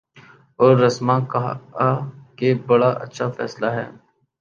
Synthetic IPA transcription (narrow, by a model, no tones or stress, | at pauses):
ɔːɾːɐsmãkɐɦakebɐɽaʔɐ̰tːʃʰafɛ̰ːslaɦɛ̰ː